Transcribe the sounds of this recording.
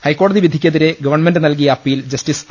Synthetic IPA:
hɐjkːoːɽɐðiʋid̪ʱːikʲːɐðiɾe̞ɡɐʋɐrɳmendɨnɐlk̬ijɐɐpːiːild͡ʑɐstis

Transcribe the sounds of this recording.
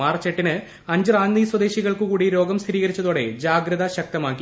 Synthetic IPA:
aːrt͡ɕeʈːinɨ | ɐɲd͡ʑɨraːnd̪iːswɐd̪e̞ːɕiɣɐɭkɨkuːɽiɾo̞ːɡɐmst̪iɾiːɣɐɾit͡ɕːɐðuːɽe̞̰d͡ʑaːɡɾɐðɐɕɐk̚t̪ɐmaːk̬ːi

